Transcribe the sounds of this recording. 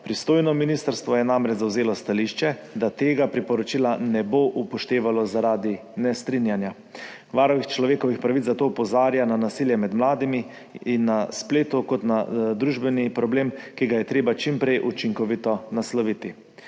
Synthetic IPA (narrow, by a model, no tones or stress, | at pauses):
pɾist̪oːjnɔminist̪əɾst̪ʋɔjɛnamɾɛd͡ʒzawzeːlɔst̪aliʃt͡ʃɛd̪at̪eːɡapɾipɔɾɔt͡ʃilanɛboʔupɔʃt̪eːʋalɔzaɾaːd̪i | nɛst̪ɾinjanja | ʋaːɾɔʋixt͡ʃlɔʋeːkɔʋixpɾaʋit̪zzat̪oːɔpɔzaːɾjananasiːljɛmɛd̪mlaːd̪imiː | nːaspleːt̪ukɔt̪nad̪ɾuʒbɛnipɾɔbleːmkiɡajɛt̪ɾeːbat͡ʃimpɾɛjʔut͡ʃiŋkɔʋit̪ɔnaslɔʋit̪i